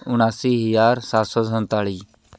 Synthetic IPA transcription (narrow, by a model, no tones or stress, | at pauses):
ʊɳ̃aːsiːɦəjaːɾsaːsosənt̪aːɭiː